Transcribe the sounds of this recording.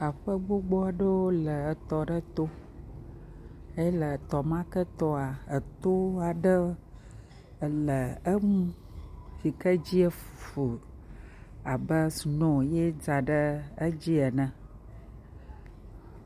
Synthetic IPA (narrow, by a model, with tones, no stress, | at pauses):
a˨ɸə˦ɡ͡bo˦ɡ͡bɔ˦a˨ɖə˦wo˦lə˨t̪ɔ˨ɖə˦t̪o˦ | e˦jlə˨t̪ɔ˨mã˦kə˦t̪ɔ˦a˨ə˨t̪o˦a˨ɖə˦˨ | lə˨ə˦ŋũ˦ | fi˨kə˦d͡ʑi˦ə˦ffo˨ | a˨bə˦snɔ̃˨je˦d͡za˨ɖə˦ə˦d͡ʑi˦ə˨nə̃˨